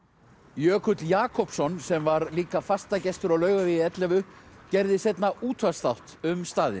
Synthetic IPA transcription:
jœːkʰʏt̪ljaːkʰɔpsɔnsɛmvaɾliːkafast̪acɛst̪ʏɾawlœːɥɣavɪɛt̪lɛvʏcɛɾðɪsɛt̪naʔuːt̪ʰvast̪awht̪ʏmst̪aːðɪ̰n

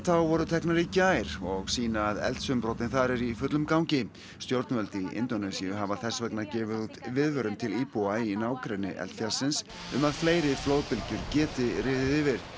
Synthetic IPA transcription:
θawvɔɾʏt̪ʰɛhknaɾɪcaːjɾ̥ɔɣsiːnaːðɛ̰lt̪sʏmpɾɔwt̪ɪnθaɾɛɾifʏt̪lʏmkawɲcɪ | st̪jowɾt̪nvœlt̪iɪ̰nt̪ɔnɛsiʏɦavaθɛsvɛknaðcɛːvɪðut̪vɪðvœɾʏmt̪ʰɪliːpuainaːwkɾɛnɪ̰ʔɛ̰lt̪fjalsɪns | ʏmaðfleːjɾɪfloːwðpɪlcʏɾ̥cɛːt̪ɪrɪːðɪðɪvɪɾ̥

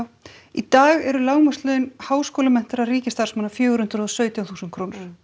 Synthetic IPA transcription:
w | it̪aːɣɛɾʏlaːwmœst̪lœːðʏnhaːwskoːlamɛn̥t̪ɪɾariːcɪst̪aɾ̥smaːnafjœːɣʏɾhʏnt̪ɾɔsœːɥt̪jawθuːsnkʰɾownʏɾ̥

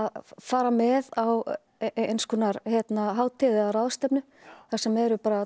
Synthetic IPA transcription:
aðfaːɾamɛðaw | ejnskʏnaɾçjɛt̪naɦaːwt̪ʰɪðɪaɾaðst̪ɛpnʏ | θasɛmɛɾʏpaːɾa

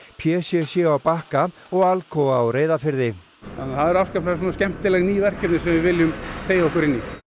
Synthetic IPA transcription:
pʰjɛːsjɛsjɛawpahka | ɔɣalkʰɔawɾeːjðafɪɾðɪ | a̰nθaðɛɾafskapʰlas̬ɔnascɛm̥t̪ɪlɛɣniːvɛr̥cɪp̪nɪsɛmvɪvɪljʏmt̪ʰeːjaɔhkʏɾɪnːi

